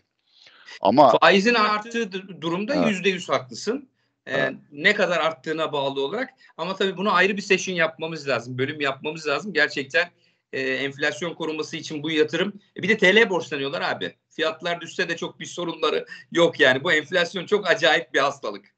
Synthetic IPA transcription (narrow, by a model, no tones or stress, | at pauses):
a̰mafaːizinaaɾt̪ːɯːd̪uɾumd̪ajyzd̪ɛjyz̥haklˠɯsɯn | ɛːɛkad̪aɾaɾt̪ʰːɯːnabaːlˠɯo̞lˠaɾak | amat̪ʰabiːbunaajɾɯbise̞ʃinjap̚mamɯzlʲaːzɯmbø̞lʲymjap̚mamɯzlʲaːzɯmɟæɾt͡ʃʰɛc̚t̪ʰæn | ɛːɛɱflʲasjo̞nkʰo̞ɾumasɯit͡ʃʰinbujjat̪ʰɯɾɯmɛbid̪ɛt̪ʰe̞lʲɛbo̞ɾslˠanɯjo̞lˠaɾaːbɪ̰ | fijat̪lˠaɾd̪ysɛd̪ɛt͡ʃʰo̞k̚biso̞ɾunlˠaɾɯjo̞kjaːnibuɛnflʲasjo̞nt͡ʃʰo̞kad͡ʒaːjip̚bihast̪ʰalˠɯk